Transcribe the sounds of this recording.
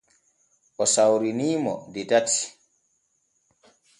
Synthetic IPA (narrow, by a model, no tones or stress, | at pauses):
ʔɔsawɾiniːmɔ̰dɛdatːi̥